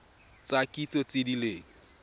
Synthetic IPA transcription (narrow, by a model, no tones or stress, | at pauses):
t͡sʼakʼit͡sʼot͡sʼɪdileːŋ̩